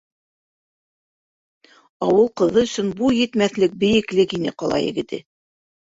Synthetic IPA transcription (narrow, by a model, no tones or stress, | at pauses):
ɑwɤlˠqɤ̆ðɤɵ̆sɵnbujɘ̆t̪mæθlɘk̚bɘ̆jɘ̆klɘkinɘ̰qɑlˠɑ̰jɘ̰̆ɡɘ̆t̪ɘ̰